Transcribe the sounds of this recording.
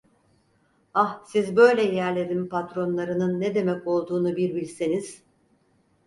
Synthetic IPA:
ahsizbø̞jlʲɛjæɾlʲe̞ɾimpʰat̪ɾo̞nlˠaɾɯnɯnːed̪e̞mɛco̞lˠd̪uːnubiɾbilʲseniz̥

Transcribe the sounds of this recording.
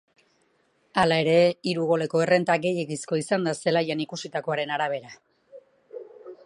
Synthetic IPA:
alae̞ɾe̞iɾuɣ̞o̞le̞ko̞e̞re̞nt̪aɡe̞je̞ɣisko̞isand̪ase̞lajanikusit̪ako̞aɾe̞naɾaβ̞e̞ɾa

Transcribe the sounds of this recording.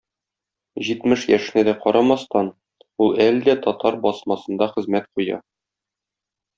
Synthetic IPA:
ʑit̪mɘʃjæʃɘ̆næd̪æqɒɾɑmɑst̪ɑn | ulˠæld̪æt̪ɒt̪ɑɾbɒsmɑsɤ̆nd̪ɑχɘ̆zmæt̪̚qujɑ̰

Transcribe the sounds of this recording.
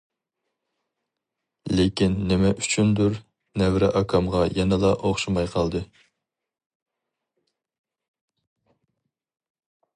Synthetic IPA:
lekʲinːɪmɛʔyt͡ʃʰynd̪uɾ | nɛvɾɛʔɑkʰɑmʁɑjɛnɛlˠɑʔoχʃumɑjqʰɑlˠd̪ɨ

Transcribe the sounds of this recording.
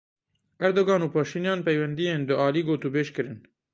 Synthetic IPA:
ʔɛɾd̪oːɡɑːnuːpʰɑːʃiːnjɑːnpɛjwɛnd̪ijeːnd̪ʊʔɑːliːɡoːt̪uːbeːʃkɨɾɨn

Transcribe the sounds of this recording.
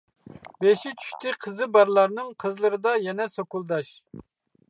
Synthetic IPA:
beʃit͡ʃʰy̥ʃt̪ʰɪqʰəzɨbɑɾlˠɑɾnɨŋqʰəzlˠɨɾɨd̪ɑjɛnɛsokulˠd̪ɑʃ

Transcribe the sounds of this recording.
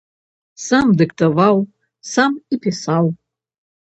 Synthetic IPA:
samdɨkʰtʰavaw | samipʰisaw

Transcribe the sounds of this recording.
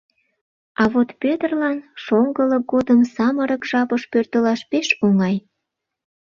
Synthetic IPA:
ɑβot̪pøt̪ərlɑnʃoŋɡələɡod̪əmsɑməɾəkʒ̥ɑpəʃpørt̪əlɑʃpeʃoŋɑj

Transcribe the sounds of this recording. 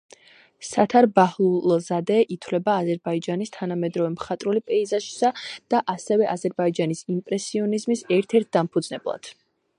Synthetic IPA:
sat̪ʰaɾbahlˠulɔzad̪ɛʔit̪ʰwlɛbaːzɛɾbaid͡ʒanist̪ʰanamɛd̪ɾɔvɛmχat̪ʼɾulipʼɛizaʃi̥sad̪̥aʔasɛvɛʔazɛɾbaid͡ʒanisimpʼɾɛsiɔnizmisɛɾt̪ʰɛɾt̪̚ʰd̪ampʰud̪znɛblˠa̰d̪̥

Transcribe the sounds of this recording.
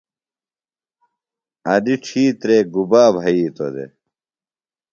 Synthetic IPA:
ɐd̪iʈ͡ʂʰiːt̪ɾeːɡubaːbʱɐiːt̪od̪ḛ

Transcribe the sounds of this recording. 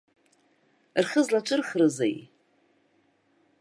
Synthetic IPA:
rχəzlat͡ʃʷʼɨrχrɨza̰j

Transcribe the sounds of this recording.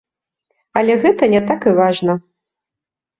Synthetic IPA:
ɐlʲɛɣɛt̪ɐnʲɛt̪akɨvaʐnɐ

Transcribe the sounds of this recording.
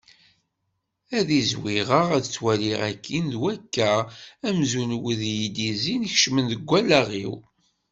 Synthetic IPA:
æðizwiʁəʁæðət͡sːwæliʁækʰːinðwækːæʁæmzunwəðjid̪izinç̥ʃmənðəɡʷːælaʁḭw

